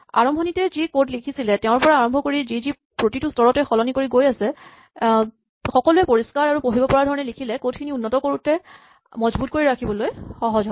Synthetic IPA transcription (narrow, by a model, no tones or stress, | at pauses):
a̰ɹɔmbʱɔnitɛzikotlikʰisilɛtɛʊ̃ɹpɔɹaːɹɔmbʱɔkoɹizizi | pɹotitustɔɹɔtɛxɔlɔnikoɹiɡojasɛ | xɔkɔluɛpoɹiskaɹaɹupoɦibɔpɔɹaɹdʱɔɹɔnɛlikʰilɛkot̚kʰiniunːɔtɔkoɹutɛ | mɔzbut̚koɹiɹakʰibɔlojxɔɦɔzɔ